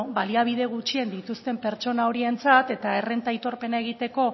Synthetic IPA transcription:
baliaβ̞iðe̞ɣ̞ut͡ʃiend̪it̪ust̪e̞mpe̞ɾt͡ʃo̞nao̞ɾie̞nt͡sat̪e̞t̪ae̞re̞nt̪ait̪o̞ɾpe̞nae̞ɣ̞it̪eko̞

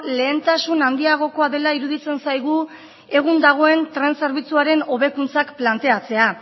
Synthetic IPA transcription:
le̞ːnt̪asunand̪iaɣ̞o̞ko̞aðe̞laiɾuðit͡se̞nsajɣ̞u | e̞ɣund̪aɣ̞o̞e̞nt̪ɾe̞nse̞ɾβit͡suaɾe̞no̞βe̞kunt͡sakplant̪e̞at͡se̞a

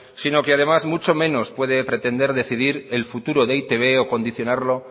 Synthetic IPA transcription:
sino̞keað̞e̞mazmut͡ʃo̞mẽ̞no̞spwe̞ðe̞pɾe̞t̪e̞nd̪e̞ɾðe̞θiðiɾe̞lfut̪uɾo̞ðeit̪e̞β̞e̞o̞ko̞nd̪iθjo̞naɾlo̞

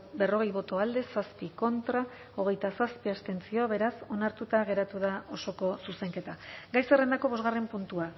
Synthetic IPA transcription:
be̞ro̞ɣ̞e̞jβo̞t̪o̞ald̪e̞saspiko̞nt̪ɾa | o̞ɣ̞e̞jt̪asaspiast̪e̞nt͡sio̞aβe̞ɾaso̞naɾt̪ut̪aɣe̞ɾat̪uðao̞so̞ko̞suse̞ŋke̞t̪aɡajsere̞nd̪ako̞βo̞zɣare̞mpunt̪ua

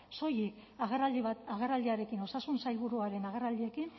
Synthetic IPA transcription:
so̞jikaɣβaɣerald̪iaɾe̞kino̞sasunsajβuɾuaɾe̞naɣerald̪ie̞kin

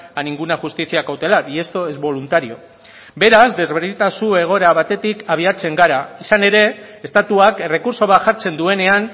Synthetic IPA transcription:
aniŋɡunaxust̪isiakawt̪e̞latiest̪o̞ezβo̞lunt̪aɾio̞̰ | be̞ɾazd̪e̞zβe̞ɾðit̪asue̞ɣ̞o̞eɾaβ̞at̪e̞t̪ikaβ̞iat͡se̞ŋɡaɾaisane̞ɾe̞ːst̪at̪uakere̞kuɾso̞β̞at̪ʝaɾt͡se̞nd̪ue̞ne̞an

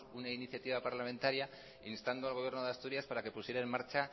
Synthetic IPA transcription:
unainiθjat̪iβ̞apaɾlamẽ̞nt̪aɾja | inst̪and̪oalɣoje̞ɾno̞ðeast̪uɾjaspaɾake̞pusje̞ɾaenmaɾt͡ʃa

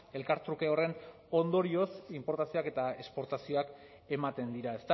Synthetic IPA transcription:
e̞lkaɾt̪ɾukeo̞re̞n | o̞nd̪o̞ɾio̞simpo̞ɾt̪asioake̞t̪ae̞spo̞ɾt̪asio̞ak | e̞mat̪e̞nd̪iɾae̞st̪a

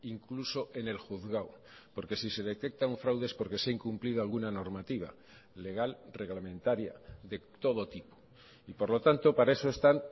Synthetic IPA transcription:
iŋkluso̞ʔe̞ne̞lxuθɣaw | po̞ɾke̞sise̞ðe̞t̪e̞k̚t̪auɱfɾawðespo̞ɾke̞saiŋkumplið̞oalɣunano̞ɾmat̪iβ̞a̰ | le̞ɣ̞alre̞ɣlamẽnt̪aɾja̰ðe̞t̪o̞ð̞o̞t̪ipo̥ | ipo̞ɾlo̞t̪ant̪o̞paɾaeso̞e̞st̪an

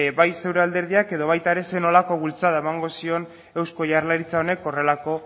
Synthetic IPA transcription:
bajse̞wɾeald̪e̞ɾð̞iake̞ðo̞βajt̪aeɾe̞se̞no̞lako̞βult͡saðaemaŋɡo̞sio̞n | e̞wsko̞ʝarlaɾit͡sao̞ne̞ko̞re̞lako̞

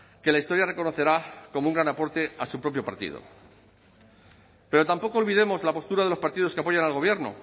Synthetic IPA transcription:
ke̞laist̪o̞ɾjare̞ko̞no̞θe̞ɾako̞mouŋɡɾanapo̞ɾt̪e̞asupɾo̞p̬jo̞pa̰ɾt̪ḭð̞o̰ | pe̞ɾo̞t̪ampo̞koːlβiðe̞mo̞zlapo̞st̪uɾaðe̞lo̞spaɾt̪ið̞o̞skeapo̞ʝanalɣ̞o̞β̞jeɾno̞̰

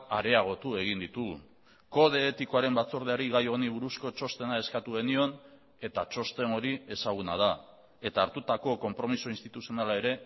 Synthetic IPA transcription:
aɾe̞aɣ̞o̞t̪ue̞ɣ̞ind̪it̪u | ko̞ðe̞ːt̪iko̞aɾe̞mbat͡so̞ɾðeaɾiɣajoniβuɾusko̞t͡ʃo̞st̪e̞nae̞skat̪uɣe̞nio̞n | e̞t̪at͡ʃo̞st̪e̞no̞ɾie̞saɣ̞una̰ð̞a | e̞t̪aːɾt̪ut̪ako̞ko̞mpɾo̞miso̞inst̪it̪usio̞nalae̞ɾe̞

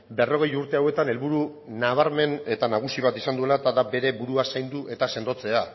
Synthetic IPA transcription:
be̞ro̞ɣ̞e̞juɾt̪e̞awe̞t̪ane̞lβuɾu | naβ̞aɾme̞ne̞t̪anaɣ̞usiβ̞at̪isand̪ue̞laet̪aðabe̞ɾe̞buɾuasajnd̪uʔe̞t̪ase̞nd̪o̞t͡se̞a

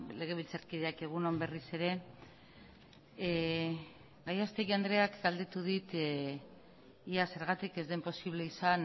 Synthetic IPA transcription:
le̞ɣ̞e̞βilt͡saɾkiðeake̞ɣ̞unombe̞rise̞ɾe̞ | ɡajast̪eɣiand̪ɾe̞akɡald̪e̞t̪uð̞it̪ | iase̞ɾɣat̪ike̞zd̪e̞mpo̞siβ̞le̞isan

